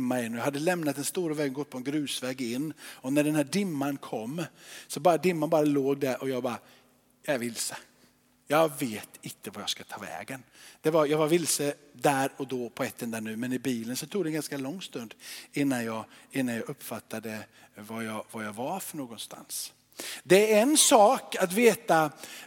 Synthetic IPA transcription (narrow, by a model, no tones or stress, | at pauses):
mːaɪnːɔjaɦad̪ːəlɛmnat̪̚d̪ɛnst̪uːɾavɛːɡənɡɔt̪̚ːpɔɛnɡɾʉ̟ːsvɛːɡɪnːɔnæɖɛnhæːɖɪmːankʰɔmːsɔbɑːɾad̪ɪmːanbɑːɾaloːɡ̚d̪æɾʔɔjɑːɡbɑːɾa | jɑæɾvɪlsə̥ | jɑveːt̪ɪnt̪ʰəvajɑɡskat̪ʰɑːvɛ̰ːɡənd̪̥ɛvaɾjɑːɡvaɾvɪlsəd̪æɾɔd̪ɔpʰɔɛt̪ːənd̪æːɳʉ̟ːmɛnɪbiːlənsɔt̪ʰuːɡd̪ɛnɡanskalɔŋːst̪ɵnd̪ɪnːanjɑːɡɪnːanjɑːɡɵpːfat̪ʰːad̪ə | vajɑvajɑɡvaɾfœɳoːɡɔnst̪ʰa̰ns | d̪ɛɾɛnsɑːkat̪veːt̪a